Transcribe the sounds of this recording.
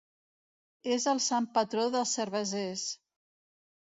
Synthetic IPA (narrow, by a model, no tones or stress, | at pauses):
ezəlˠsampət̪ɾoðəlˠsəɾβəzes